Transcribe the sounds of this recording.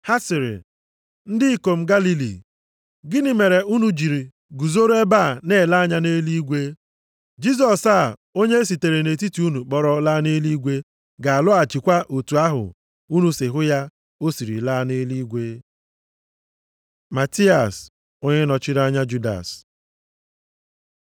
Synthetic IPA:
ha˦sɪ˨ɾɪ̰˨ | n̩˦dɪ˦i˦ko˨m̩˦ɡa˦li˦lḭ˨ | ɡɪ˦nɪ˨me˨ɾe˨u˦nu˨d͡ʒi˨ɾi˨ | ɡu˨zo˦ɾe˦ba˦˨ne˦˨la˦ɲa˦ne˦li˦ɡʷe˦ | d͡ʒi˦z̬ɔ˨sa˦˨ | o˦ɲe˦s̬i˨te˨ɾe˨ne˨ti˦ti˨˦u˦nu˨k͡pɔ˦ɾɔ˦la˦ne˦li˦ɡʷe˦ | ɡa˨a˨lʊ˦a˨t͡ʃɪ˨kʷa˦ʔo˨tu˨a˦ɦʊ̰˨ | u˦nu˦se˨ɦʊ˦ja˦ | o˦si˨ɾḭ˨la˦ne˦li˦ɡʷe˦ | ma˨ti˦a˨s | o˦ɲe˦nɔ˨t͡ʃɪ˦ɾa˦ɲa˦d͡ʒu˦da̰˨s

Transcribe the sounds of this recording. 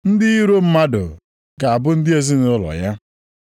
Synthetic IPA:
n̩˦dɪ˦i˦ɾo˦m̩˦ma˦dʊ̰˨ | ɡa˨a˨bʊ˦n̩˦dɪ˦e˦zi˦n˦ʊ˦lɔ̰˨ja˦

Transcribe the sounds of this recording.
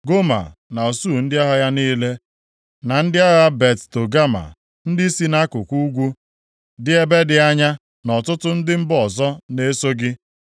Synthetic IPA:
ɡo˦ma̰˨na˨o˨su˦˨n̩˦dɪ˦a˦ɦɔ˦ja˦niː˦le˦ | na˨n̩˦dɪ˦a˦ɣa˦be˨tto˨ɡa˦ma̰˨ | n̩˦dɪ˦si˦na˦kʊ˨kʷu˦ɡʷu˦ | dɪ˦e˦be˦dɪ˨a˦ɲa˦ | nɔ˨tʊ˦tʊ˦n̩˦dɪ˦m̩˦bɔ˨zɔ˦ne˦so˦ɡɪ˦

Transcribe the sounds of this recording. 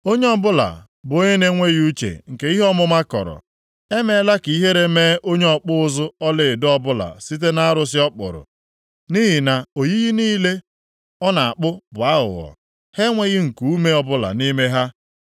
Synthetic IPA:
o˦ɲe˦ɔ˦bʊ˦la̰˨ | bʊ˨o˦ɲe˦ne˦ŋʷe˦ɣu˦t͡ʃḛ˨ŋ̩˨ke˦i˦ɦɔ˦mʊ˦ma˦kɔ̰˨ɾɔ̰˨ | e˦me˦la˦ki˨i˦ɦe˦ɾe˦meː˦o˦ɲe˦ɔ˨k͡pʊ˦ʊ˦zʊ˦ɔ˦lɪ˨dɔ˦bʊ˦la̰˨si˦t̬e˦na˦a˦ɾʊ˦s̬ɪ˦ɔ˦k͡pʊ̰˨ɾʊ̰˨ | ni˦ɦi˨na˨o˨ji˦ɣi˦niː˦le˦ | ɔ˦na˨a˨k͡pʊ˦bʊ˨a˦ɦʊ̰˨ɔ̰˨ | he˦ŋʷe˦ɣɪ˦ŋ̩˨ku˨u˦me˦ɔ˦bʊ˦la̰˨ni˦me˦ɦa˦

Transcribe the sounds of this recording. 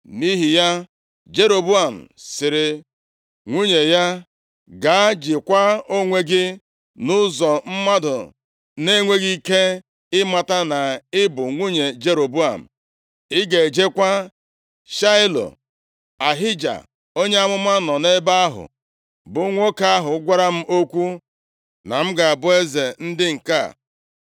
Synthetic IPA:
ni˦ɦi˨ja˦ | d͡ʒe˦ɾo˨bu˦a˨m̩˨sɪ˨ɾɪ˨ | ŋʷu˦ɲe˨ja˦ | ɡa˨˦d͡ʒɪ˨kʷa˦o˦ŋʷe˦ɡɪ˦ | nʊ˦zɔ˨m̩˦ma˦dʊ˨ | ne˦ŋʷe˦ɣi˦i˦ke˦ | ɪ˦ma˨ta˦na˨ɪ˦bʊ˨ŋʷu˦ɲe˨d͡ʒe˨ɾo˨bu˦a̰˨m̩̰˨ | ɪ˦ɡe˨e˨d͡ʒe˦kʷa˦ | ʃa˦ɪ˦lo̰˨ | a˨ɦɪ˦d͡ʒa̰˨ | o˦ɲe˦a˦mʊ˦ma˦nɔ˨ne˦ba˦a˦ɦʊ̰˨ | bʊ˨˦ŋʷo˦ka˦a˦ɦʊ˨˦ɡʷa˦ɾa˦m̩˦ʔo˦kʷu˦ | na̰˨m̩˦ɡa˨a˨bʊ˦e˦ze˨n̩˦dɪ˦ŋ̩˨ka̰˦˨

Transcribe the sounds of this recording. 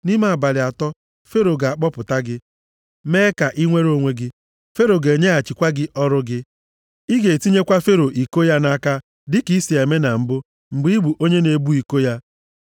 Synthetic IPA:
ni˦ma˨a˨ba˨lɪ˨a˨tɔ˦ | fe˦ɾo˨ɡa˨a˨k͡pɔ˦pʊ˨ta˦ɡɪ˦ | meː˦ka˨ʔi˦ŋʷe˦ɾo˦˨ŋʷe˦ɡɪ˦ | fe˦ɾo˨ɡe˨ɲe˦a˨t͡ʃi˨kʷa˦ɡɪ˦ʔɔ˦ɾʊ˦ɡɪ˦ | i˦ɡe˨ti˦ɲe˦kʷa˦fe˦ɾo˨ʔi˨ko˦ja˦na˦ka˦ | dɪ˦ki˦si˨e˨me˦na˨m̩˨bʊ˦ | ŋ͡m̩˨ɡ͡bi˦i˦ɡ͡bu˨ʔo˦ɲe˦ne˨bu˦i˨ko˦ja˦

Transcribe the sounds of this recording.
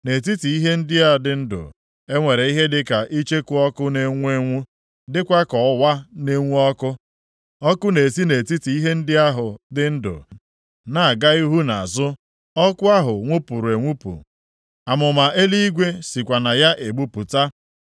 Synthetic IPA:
ne˨ti˦ti˨i˦ɦe˦n̩˦dɪ˦a˦dɪ˨n̩˦dʊ̰˨ | e˦ŋʷe˨ɾe˨i˦ɦe˦dɪ˦ka˨ʔi˦t͡ʃe˦kʊ˦ɔ˦kʊ˦ne˨ŋʷ˦e˦ŋʷu˦ | dɪ˦kʷa˦kɔ˨˦wa˦ne˦ŋʷu˦ɔ˦kʊ˦ | ɔ˦kʊ˦ne˨si˦ne˨ti˦ti˨i˦ɦe˦n̩˦dɪ˦a˦ɦʊ˨dɪ˨n̩˦dʊ̰˨ | na˨a˨ɡa˦i˦ɦu˦na˨zʊ˦ | ɔ˦kʷʊ˦a˦ɦʊ˨ŋʷu˦pu˨ɾe˨ŋʷu˦pṵ˨ | a˨mʊ˨ma˨ʔe˦li˦i˦ɡʷe˦si˨kʷa˨na˨ja˦ʔe˨ɡ͡bu˦pu˨ta˦

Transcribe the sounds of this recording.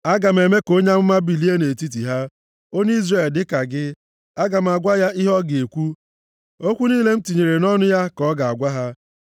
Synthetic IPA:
a˦ɡa˨m̩˨e˨me˦ko˦ɲa˦m̩˦ma˦bi˨li˦e˦ne˨ti˦t̬i˨ɦa˦ | o˦n˦i˦zre˨ldɪ˦ka˨ɡɪ˦ | a˦ɡa˨m̩˨a˨ɡʷa˦ja˦ʔi˦ɦɔ˦ɡe˨kʷu˦ | o˦kʷu˦niː˦le˦m̩˦ti˨ɲe˨ɾe˨nɔ˦nʊ˦ja˦kɔ˦ɡa˨a˨ɡʷa˦ɦa˦

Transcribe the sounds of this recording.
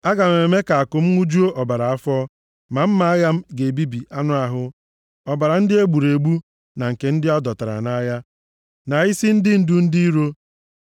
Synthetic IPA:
a˦ɡa˨me˨me˨me˦ka˨a˨kʊ˨m̩˦ŋʷu˦d͡ʒu˦o˦ʔɔ˨ba˨ɾa˨a˦fɔ˦ | ma˨m̩˦ma˦a˦ja˦m̩˦ɡe˨bi˦bi˨ʔa˦nʊ˦a˨ɦʊ˦ | ɔ˨ba˨ɾa˨n̩˦dɪ˦e˦ɡ͡bu˨ɾe˨ɡ͡bu˦ | na˨ŋ̩˨ke˨n̩˦dɪ˦ɔ˦dɔ˨ta˨ɾa̰˨na˦ja˦ | na˨i˦si˦n̩˦dɪ˦n̩˦du˦n̩˦di˦i˦ɾo˦

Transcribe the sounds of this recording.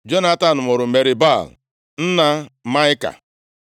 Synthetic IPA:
d͡ʒo˦na˦ta˨n̩˨mʊ˨ɾʊ˨me˨ɾɪ˨ba˦˨l | n̩˦na˦ma˦ɪ˦ka̰˨

